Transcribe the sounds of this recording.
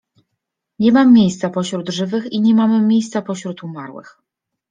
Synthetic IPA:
ɲɛmamʲːjejst̪sapɔɕɾud̪ʐɘvɘxiɲɛmamɘmʲjejst̪sapɔɕɾut̪umaɾwɘ̰x

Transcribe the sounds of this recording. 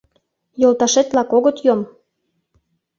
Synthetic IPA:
jolˠt̪ɑʃet̪lɑkoɣət̪jom

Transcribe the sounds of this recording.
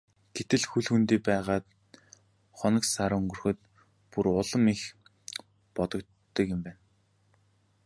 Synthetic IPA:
ɡ̥et̪ɘ̆ɮxuɮxunt̪iːpæːʁaːt̪ | χɔnə̆ksaɾɵŋɡɵ̆rxɵ̆t̪ | puɾʊɮə̆mix | pɔt̪ɞ̆k̪ː | ə̆kjɪ̆mpæːn

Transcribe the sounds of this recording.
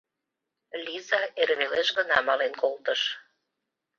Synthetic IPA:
lʲizɑerβeleʃɣənɑmɑlenkolt̪əʃ

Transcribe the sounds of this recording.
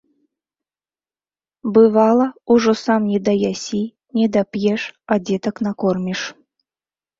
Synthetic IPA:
bɨvalˠɐuʐɔsamnʲɛd̪ɐjasʲi | nʲɛd̪ɐpjɛʂad͡zʲɛt̪ɐknakɔrmʲiʂ

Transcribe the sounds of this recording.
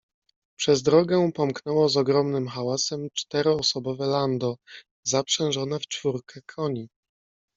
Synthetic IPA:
pʂɛzd̪ɾɔɡɛpɔmknɛwɔzɔɡɾɔmnɘmxawasɛmt͡ʂt̪ɛɾɔːsɔbɔvɛland̪ɔ | zapʂɛ̃w̃ʐɔnɛft͡ʂfuɾkɛkʰɔɲi

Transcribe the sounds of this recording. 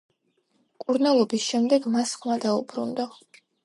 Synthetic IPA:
kʼuɾnalˠɔbisʃɛmd̪ɛɡmasχmad̪aubɾṵnd̪ɔ

